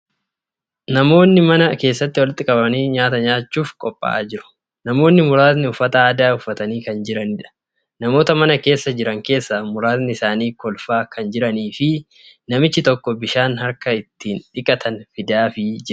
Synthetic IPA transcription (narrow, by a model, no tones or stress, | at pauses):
nɐmo̞ːnːɪmɐnɐke̞ːsːɐt̪ːɪwɔlɪt̪ːɪkʼɐbɐniːɲaːt̪ɐɲaːt͡ʃːuːfkʼɔpʼːa̰a̰ːd͡ʒɪɾʊ̥ | nɐmo̞ːnːɪmʊɾaːt̪nɪʊfːɐt̪ɐaːd̪aːʊfːɐt̪ɐniːkɐnd͡ʒɪɾɐnɪᶑɐ̥ | nɐmo̞ːt̪ɐmɐnɐke̞ːsːɐd͡ʒɪɾɐŋke̞ːsːaːmʊɾaːt̪nɪɪsaːniːkɔlfaːkɐnd͡ʒɪɾɐniːfɪ | nɐmɪt͡ʃːɪt̪ɔkːɔbɪʃaːnhɐɾkɐɪt̪ʰːiːnᶑɪkʼːɐt̪ʰɐnfɪd̪aːfɪd͡ʒɪ